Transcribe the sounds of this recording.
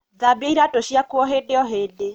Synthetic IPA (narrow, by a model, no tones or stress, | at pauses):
ðabeiɾatoʃiakwɔɦedeɔɦeːde